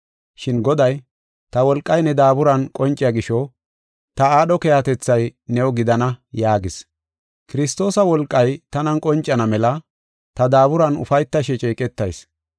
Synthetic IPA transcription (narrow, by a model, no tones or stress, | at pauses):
ʃɪnɡɔd̪ɐj | t̪ɐwɔlkʼːɐjnɛd̪aːbʊɾɐnkʼɔnt͡ʃʼːɪjɐɡɪʃɔ | t̪ɐaːɗɔkɛjat̪ɛt͡sːɐjnɛwɡɪd̪ɐnɐjaːɡɪs | kɪɾɪst̪o̞ːsɐwɔlkʼːɐjt̪ɐnɐnkʼɔnt͡ʃʼːɐnɐmɛlɐ | t̪ɐd̪aːβʊɾɐnʊ̰fɐjt̪ːɐʃ̬ɛt͡ʃʼiːkʼɛt̪ːɐjs